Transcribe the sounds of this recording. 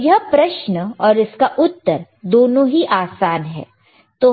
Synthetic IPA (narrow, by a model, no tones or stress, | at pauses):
jɐɦpɾɐʃnɔːɾɪskaʔʊt̪ːəɾ | d̪oːnõɦiʔaːsaːnɦɛ̰ː | t̪oː